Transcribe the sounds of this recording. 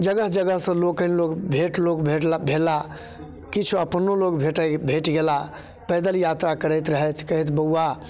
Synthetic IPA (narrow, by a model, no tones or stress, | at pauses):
d͡ʒəɡəɦd͡ʒəɡəɦsə̃lokə̃nlokbʱeʈlokbebʱela | kit͡ʃʰuəpənːolokbʱeʈəbʱeʈɡela | pɛd̪əljat̪ɾakəɾət̪ɾəɦɛt̪ʰkəɦɛt̪bəuːa